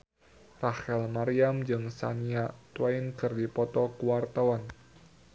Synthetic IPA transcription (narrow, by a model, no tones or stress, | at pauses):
rahɛlmaɾiamd͡ʒɨŋsa̰niat̪wainkɨrdipɔt̪ɔkuwart̪awan